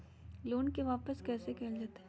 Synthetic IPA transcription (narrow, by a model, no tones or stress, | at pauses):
loːnkeʋaːpəskɛːsekɛːld͡ʒaːt̪ː